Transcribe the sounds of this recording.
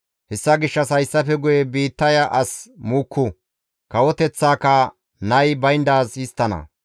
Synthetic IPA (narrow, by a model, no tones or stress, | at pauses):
hɛsːɐɡɪʃːɐsɐjsːɐfɛɡʊjɛbiːt̪ːɐjɐʔɐsmuːkʰːʊ | kɐwɔt̪ɛt͡sːaːkːɐ | nɐjbɐjnd̪aːzɪst̪ːɐnɐ̰